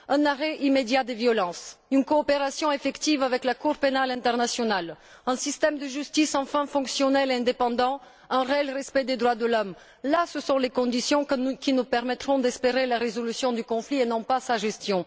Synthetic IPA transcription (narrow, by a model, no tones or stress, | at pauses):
ɛ̃naʁɛʔimed̪jad̪evjɔlɑ̃synkɔːpeʁasjɔ̃efɛkt̪ivavɛklakuʁpenalɛ̃t̪ɛʁnasjɔnal | ɛ̃sist̪ɛmd̪əʒyst̪isɑ̃fɛ̃fɔ̃ksjɔnɛlɛ̃d̪epɑ̃d̪ɑ̃ | ɛ̃ʁeɛlʁɛspɛd̪ed̪ʁwad̪əlɔm | lasəsɔ̃lekɔ̃d̪isjɔ̃kʲinupɛʁmɛt̪χɔ̃d̪ɛspeʁelaʁezɔlysjɔ̃d̪ykɔ̃flienɔ̃pasaʒɛst̪jɔ̃